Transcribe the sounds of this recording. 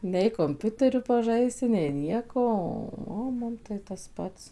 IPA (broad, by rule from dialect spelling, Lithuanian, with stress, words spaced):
nʲɛɪ koːmʲˈpʲʊtʲɛrʲʊ pɐˈʒɐɪsʲɪ nʲɛɪ ˈnʲiɛkoː ˈoː oː ˈmʊm tɐɪ tɐs ˈpɐts